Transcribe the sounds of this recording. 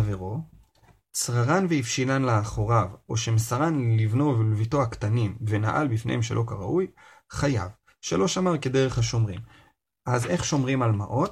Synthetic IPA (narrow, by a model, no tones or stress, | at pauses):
aveʁo | t͡sʁaʁanveifʃilanleaχo̞ʁavo̞ʃemesaʁanlivno̞vlvito̞akt̪animve̞naʔa̰lbifnḛhemʃe̞lʔo̞kaʁaʔuj | χaja̰v | ʃe̞lo̞ʃamaʁke̞d̪e̞ʁeχhaʃo̞mʁim | ʔaze̞χʃo̞mʁimalmaʔo̞t